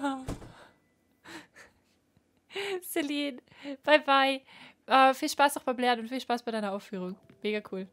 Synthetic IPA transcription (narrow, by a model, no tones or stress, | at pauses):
a | sɛliːn | b̥aɪbaɪ | ʔɛfiːlʃpaːsnɔχb̥aɪmblɛːɐənʊntfiːlʃpaːsbaɪɾaɪnɐʔaʊffyːʁ̞ʊŋ | meːɡɐkʰuːl